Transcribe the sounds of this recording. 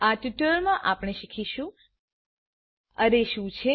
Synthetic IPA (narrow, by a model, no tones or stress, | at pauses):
aʈjuʈɾmãʔapɽ̃eʃikʰiʃũ | əɾeʃũt͡ʃʰe